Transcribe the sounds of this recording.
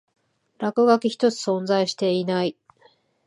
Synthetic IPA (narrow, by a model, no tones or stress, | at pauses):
ɾakɯ̟ɡakʲiçi̥t̪o̞t͡sɨ̥sõ̞nd͡zaiɕi̥t̪e̞inai